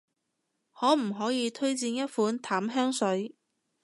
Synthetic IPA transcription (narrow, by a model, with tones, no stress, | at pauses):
hɔː˨˥m̩˨˩ɦɔː˨˥jiː˨˧t̪ʰɵ˥ɥt͡siː˧njɐ˥t̚fuː˨˥nt̪ʰaː˨˥mɦœː˥ŋsɵ˨˥ɥ